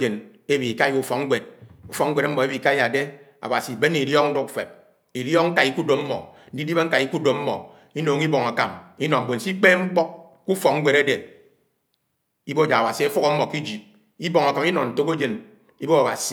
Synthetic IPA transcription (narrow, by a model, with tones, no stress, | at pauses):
d͡ʒe˨ne˦bi˨i˨ka˦i˦u˦fɔ˨kŋ̩˦ɡ͡bʷe˨d̚u˦fɔ˨˦ŋ̩ʷ˦e˨ɾa˦m̩˦mɔ˨e˦bi˨ka˦ja˨de˦ | a̰˨ba˨si˨be˦ni˨ɾjɔ˦k̚n̩˦du˦kfḛ˨p̚ | i˨ɾjɔ˦k̚ŋ̩˦ka˨i˦ku˦do˨mm̩˦mɔ̰˨n̩˦di˦i˦be˦ŋ̩˦a˨i˦ku˦do˨m̩˦mɔ̰˨ | i˦no˨ŋi˦bɔ˨ŋa˨ka˨mi˦nɔ˨bo˨n̩˨si˦k͡pe˦ŋ͡m̩˦k͡pɔ˦k̚ | ku˦fɔ˨k̚ŋ̩˦ɡ͡be˨ɾe˦de˨ | i˦bo˦da˨ba˨si˨e˦fu˦kɔ˦m̩˦mɔ˨ki˦d͡ʒi˨p̚ | i˦bɔ˨ŋ˨a˨ka˨mi˦nɔ˨n̩˨to˦ko˦d͡ʒe˨n | i˦bo˦a˨ba̰˨si˨